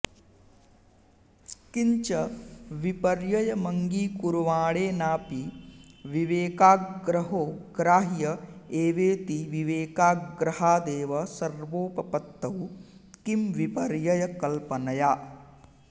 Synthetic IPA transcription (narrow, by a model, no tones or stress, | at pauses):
kiɲt͡ʃɐʋipɐɾjɐjɐmɐŋɡiːkuɾuʋaːɭeːnaːpiʋiʋeːkaːɡɾɐɦoːɡ̥ɾaːɦjɐeːʋeːt̪iʋiʋeːkaːɡɾɐɦaːd̪eːʋɐsɐɾʋoːpɐpɐt̪ːɐwkimʋipɐɾjɐjɐkɐlpɐnɐjaː